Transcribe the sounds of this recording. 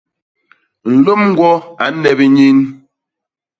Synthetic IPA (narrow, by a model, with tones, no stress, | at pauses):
n̩˨lo˦mŋ̩˦ɡwɔ˦a˨˦nɛ˨bi˦ɲi˦n